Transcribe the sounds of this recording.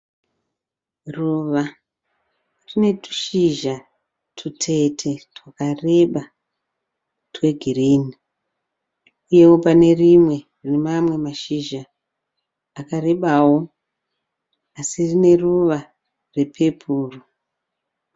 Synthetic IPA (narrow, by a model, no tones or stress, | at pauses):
ruʋa | rine̞tu̥ʃiʒa | tʰutʰe̞tʰe̞twakare̞ɓa | twe̞ɡʱiriːni | uje̞wopane̞rimwe̞ | rinemamwe̞maʃiʒaː | kare̞ɓawo̞ | asirine̞ruʋa | re̞pʰe̞pʰuːru